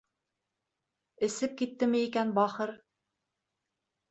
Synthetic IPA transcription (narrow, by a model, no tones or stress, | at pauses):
ɘ̆sɘp̚kit̪ːɘmɘikænbɑχɤɾ